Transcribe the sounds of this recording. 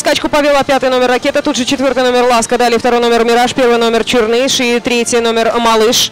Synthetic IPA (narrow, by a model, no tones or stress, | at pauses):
skat͡ɕkʊpɐvʲɪlˠapʲat̪ɨjno̞mʲɪrːɐkʲet̪ət̪ut̪ʐɨt͡ɕɪt̪vʲo̞ɾt̪ɨjno̞mʲɪrlˠaskəd̪alʲɪjft̪ɐɾo̞jno̞mʲɪrmʲɪɾaʂpʲe̞rvɨjno̞mʲɪrt͡ɕɪrnɨʂit̪ɾʲetʲɪno̞mʲɪrmɐlˠɨʂ